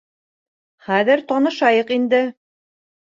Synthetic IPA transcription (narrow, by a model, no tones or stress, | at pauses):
χæðɘɾt̪ɑnɤ̆ʃɑjɤqind̪ɘ